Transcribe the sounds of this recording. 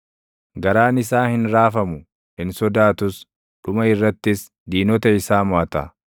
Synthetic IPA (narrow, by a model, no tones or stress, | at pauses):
ɡɐɾaːnɪs̬aːhɪnɾaːfɐmʊ | hɪnsɔd̪aːt̪ʊs | ᶑʊmɐɪrːɐt̪ːɪs | d̪iːnɔt̪ɐɪsaːmɔɐt̪ɐ̰